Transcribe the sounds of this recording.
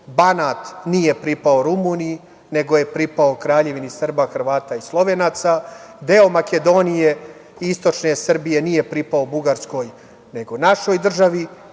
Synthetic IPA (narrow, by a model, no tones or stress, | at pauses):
banaːt̪nije̞pɾipaoɾumuːniji | ne̞ɡo̞jepɾipaokɾaːʎe̞ʋinisr̩baxr̩ʋaːt̪aislˠo̞ʋe̞naːt̪sad̪e̞o̞make̞d̪o̞nije̞ | iist̪o̞t͡ʃne̞sr̩bije̞nije̞pɾipaobuɡaɾsko̞ːj | ne̞ɡonaʃo̞ːjd̪r̩ʒaʋi